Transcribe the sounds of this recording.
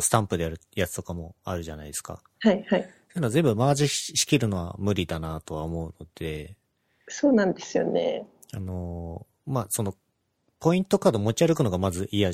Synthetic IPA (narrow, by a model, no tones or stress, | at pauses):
sɨ̥t̪ãmpɯ̟d̪eaɾɯ̟jat͡sɨ̥t̪o̞kamo̞a̰ɾɯ̟ʑanaid̪e̞ska̰ | haihaisonozẽ̞mbɯmaːʑiɕi̥kʲiɾɯ̟no̞βa̰mɯ̟ɾʲid̪anat̪o̞βaomo̞ɯ̟no̞d̪̥e̞ | soːnãnd̪e̞sɨjo̰nḛ | ano̞ | maːso̞no̞ | po̞ĩnt̪o̞kaːd̪o̞mo̞t͡ɕiaɾɯkɯno̞ɡamazɨʔija